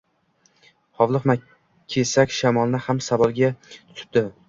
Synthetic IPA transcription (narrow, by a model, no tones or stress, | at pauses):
hɒvlˠɨχna | kʲʰe̞sakʲʃamɒlˠnɪhamsavɒlˠɡʲat̪ʰʊ̥p̚d̪ɪ